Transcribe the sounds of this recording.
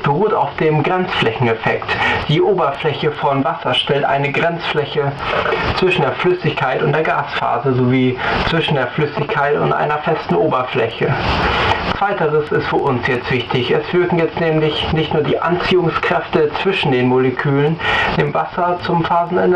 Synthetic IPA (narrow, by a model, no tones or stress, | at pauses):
b̥əʁuːtaʊfd̥eːmɡʁɛnt͡sflɛçn̩ɛfɛktd̥iːʔoːbɐflɛçəfɔnvasɐʃtɛltʔa̰ɪnəɡʁɛnt͡sflɛçət͡sv̥ɪʃn̩deːɐflʏsɪçkʰaɪtʊntd̥eːɐɡaːsfa̰ːzəzoviːt͡sv̥ɪʃn̩deːɐflʏsɪçkʰaɪtʊ̰ntʔa̰ɪnɐfɛstn̩ʔoːbɐflɛ̰çə | t͡sv̥aɪtəʁəsɪstfyːɐʔʊnsjɛt͡stv̥ɪçtɪçɛsv̥ɪɐkŋ̩jɛt͡stnɛːmlɪçnɪçtnuːɐdiːʔa̰nt͡siːʊŋskʁ̥ɛftət͡sv̥ɪʃn̩deːnmolekʰyːlənd̥eːmvasɐt͡sʊmfaːzn̩ɛn